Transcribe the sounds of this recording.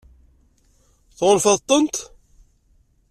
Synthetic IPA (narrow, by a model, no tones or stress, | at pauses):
θʁʊlfɑðt̪ˤːənt̪